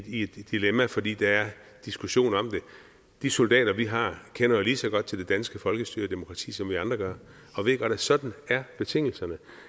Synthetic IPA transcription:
ied̥ːilemæfɒ̽d̥ḭːd̥ɑæɐ | d̥isɡ̥uɕo̝̰ːnɒ̽m̰d̥e̝ | d̥iso̝ld̥ɛ̰ːɾ̥ɐʋiɦɑ̈ːkʰenɐjoliːsɒ̽ɡ̥ɒ̽d̥̚t͡sʰe̝ld̥e̝d̥ænsɡ̥əfɒ̽lɡ̥əsd̥y̰ɐd̥e̝mo̝kʰʁɑ̈t͡sʰḭːsɒ̽mʋiɑ̈nd̥ʁɐɡ̥ɶɐ | ɒ̽ʋe̝ðɡ̥ɒɐd̥æsɒ̽d̥n̩æɐb̥e̝t͡sʰe̝ŋ̰l̩sɐnə

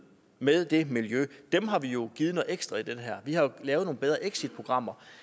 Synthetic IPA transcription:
meðˠd̥e̝miljød̥emɦɑ̈ʋijo̝ɡ̥iːð̩ˠnɔ̽ð̩ˠeɡ̥sd̥ʁɐid̥enɦɛɐ̰ʋihɑ̈lɛːʊð̩ˠno̝ːn̩beð̞ˠʁɐʔeɡ̥sid̥̚pʰʁo̝ɡ̥ʁɑ̈m̰ɐ

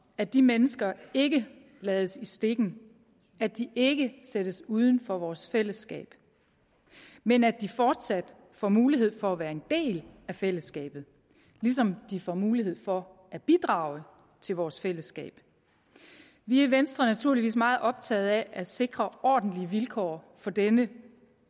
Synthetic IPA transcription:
æd̥imenəsɡ̥ɐe̝ɡ̥ə | lɛːðˠsisd̥e̝ɡ̥n̩ | æd̥iʔe̝ɡ̥əsed̥əsuːð̞ˠn̩fɒʋɒːsfel̰əsɡ̥ɛ̰ːb̥ | menæd̥ifɒːd̥sæd̥ | fɒmuːliɦe̝ð̞̰ˠfɒ̽æʋæːɐe̝nd̥e̝̰ːlæfel̰əsɡ̥ɛ̰ːb̥ð̞̩ˠ | lis̬ɒ̽md̥ifɒmuːliɦe̝ð̞̰ˠfɒ̽ʔæb̥id̥ʁɑ̰̈ːʊə | t͡sʰe̝lʋɒːsfel̰əsɡ̥ɛ̰ːb̥ | ʋiæʋensd̥ʁɐnæt͡sʰuɐ̰liʋḭːsmɑ̈ːð̞̩ˠʔɒ̽b̥̚t͡sʰɛ̰ːð̞̩ˠæʔæse̝ɡ̥ʁɐʔɒ̰ːd̥n̩liəʋilkʰɒ̰ː | fɒ̽d̥enə

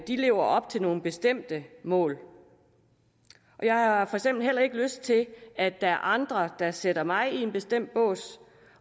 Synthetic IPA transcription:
d̥ile̝̰ːʊɐʔɒ̽b̥t͡sʰe̝lno̝ːn̩b̥e̝sd̥em̰d̥əmɔ̰̽ːl | ʔɒ̽jɑ̈ɪhɑ̈fɒ̽eɡ̥sem̰b̥l̩ɦel̰ɐe̝ɡ̥əløsd̥̚t͡sʰe̝æ̥ɑ̈æɐʔɑ̈nd̥ʁɐd̥ɑ̈seɾ̥ɐmɑ̈ɪie̝nb̥e̝sd̥em̰d̥̚b̥ɔ̰̽ːs

